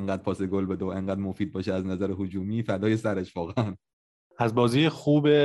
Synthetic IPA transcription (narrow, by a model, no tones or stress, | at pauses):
eŋɡæːd̪̚pʰɒːseɡolbed̪eoe̞ŋɢæːd̪̚mofiːd̪̚bɒːʃeæznæzæɾehod͡ʒuːmiːfæd̪ɒːjesæɾeʃvɒːɣeæn | æzbɒːziːjexuːbe